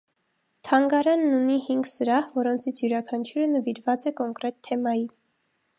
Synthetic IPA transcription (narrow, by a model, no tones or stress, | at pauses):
t̪ʰɑŋɡɑɾɑnːunihiŋɡzəɾɑhvɔɾɔnt͡sʰit͡sʰjuɾɑkʰɑnt͡ʃʰuɾənəviɾvɑt͡sɛkɔŋkɾɛt̪ʰːɛmɑji